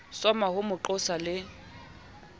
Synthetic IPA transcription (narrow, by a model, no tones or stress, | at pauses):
sɔmahʊmʊǃʊsalɪ